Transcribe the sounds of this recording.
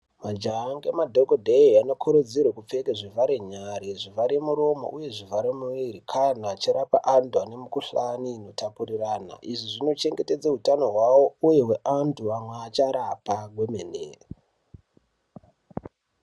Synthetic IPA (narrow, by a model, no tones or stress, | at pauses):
mad͡ʒaŋɡemadʱokodʱeiano̞kʰoɾod͡zirwekup͡fe̞keʐivaɾeɲaɾeʐivaɾemuɾo̞mo̰ʔuje̞ʐivaɾemuʋiɾikʰanaːt͡ʃiɾapa̰ʔanduane̞mukuɬaniːno̞tapuriraːna̰ʔiʐiʐino̞t͡ʃe̞ŋɡe̞te̞d͡zaɦutano̞ɦwawo̞uje̞we̞ʔantuamweat͡ʃaɾapaɡwe̞menḛːre